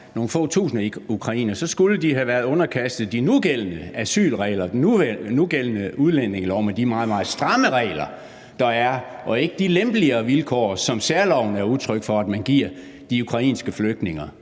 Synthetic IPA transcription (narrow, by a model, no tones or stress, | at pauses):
no̝ːn̩fɔ̰ːt͡sʰṵːsn̩iukʰʁɑ̈ḭːnɐsɒ̽sɡ̥uləd̥iɦæʋæːɐð̞ˠɔ̽nɐkʰæsd̥ð̞̩ˠd̥inuɡ̥el̰ənəæsy̰ːlʁɛ̰ɪlɐd̥nuɡ̥el̰ənəuð̞ˠlen̰e̝ŋlɒʊ̰mend̥imɑ̈ːðˠmɑ̈ːð̩ˠsd̥ʁɑ̈məʁɛ̰ɪlɐ | d̥ɑ̈æɐ | ʔɒ̽e̝ɡ̥əd̥ilemb̥liɐːʋilkʰɒ̰ːsɒ̽msæɐlɒʊ̰nəæɐuðˠt͡sʰʁœɡ̥fɒ̽æd̥mænɡ̥iɐ̰ | d̥iukʰʁɑ̈ḭːnsɡ̥əfløɡ̥̚d̥ne̝ŋɐ